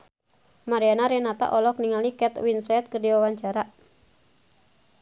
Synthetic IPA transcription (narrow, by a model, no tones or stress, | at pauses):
maɾianaɾɛnat̪a̰ʔɔlɔk̚niŋalikɛt̪winsɛt̪̚kərdiwawaɲt͡ʃaɾa